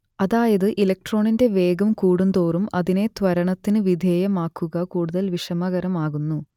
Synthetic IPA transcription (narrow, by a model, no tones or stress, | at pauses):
ɐðaːjɐðɨʔilɐk̚ʈro̞ːɳinde̞ʋeːɡɐmkuːɽund̪oːrumɐ̰ðine̞t̪ʋɐɾɐɳɐt̪ːinɨʋid̪ʱeːjɐmaːkːuɣɐkuːɽuðɐlʋiʂɐmɐɣɐɾɐmaːɣunːu